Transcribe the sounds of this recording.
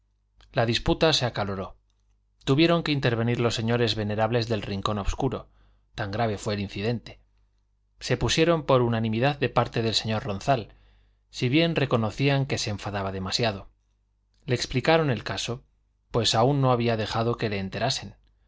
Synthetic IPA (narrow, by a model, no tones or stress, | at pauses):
laðisput̪ase̞akalo̞ɾo̞ | t̪uβje̞ɾo̞ŋke̞int̪e̞ɾβe̞niɾlo̞sːe̞ɲo̞ɾe̞zβe̞ne̞ɾaβle̞zðe̞lriŋko̞no̞βskuɾo̞ | t̪aŋɡɾaβ̞e̞fwe̞ːlin̟θiðe̞nt̪e̞̥ | se̞pusje̞ɾo̞mpo̞ɾunanĩmiðaðde̞paɾt̪e̞ð̞e̞lse̞ɲo̞ɾro̞nθal | siβje̞nre̞ko̞no̞θiaŋke̞se̞ːɱfaðaβ̞aðe̞masjað̞o̞ | le̞ːksplikaɾo̞ne̞lkaso̞ | pwe̞saunːo̞aβiað̞e̞xað̞o̞ke̞le̞ːnt̪e̞ɾase̞n